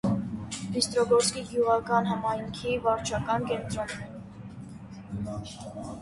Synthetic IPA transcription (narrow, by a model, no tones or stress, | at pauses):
mist̪ɾɔɡɔɾskiɡjuʁɑkɑnɦɑmɑjŋkʰivɑɾt͡ʃʰɑkɑnkɛnt̪ɾɔnːɛ